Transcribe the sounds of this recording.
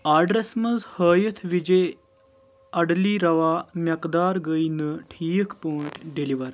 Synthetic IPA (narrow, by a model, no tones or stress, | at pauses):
aɖɾesmɐd͡zhəːjət̪ʰʋid͡ʑe | ɐɽliːɾɐʋamjɐkd̪aːɾɡəjnəʈʰiːəkpoːʈɖeliʋəɾ